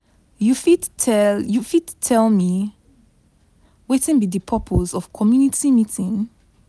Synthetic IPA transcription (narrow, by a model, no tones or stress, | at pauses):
jufidʰɛjufidtʰːɛlmi | wetĩnbidipʰɔpʰozɔv̥kʰɔmjunitʰimitʰĩŋ